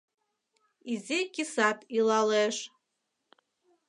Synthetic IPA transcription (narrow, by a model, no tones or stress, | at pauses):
izikʲisatʰʼilaleʂ